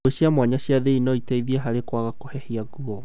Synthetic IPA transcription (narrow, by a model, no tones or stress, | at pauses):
eɕiamwaɲaɕiaðeinɔitaiðiɛɦaɾekwaɣakohɛhiaɣuɔ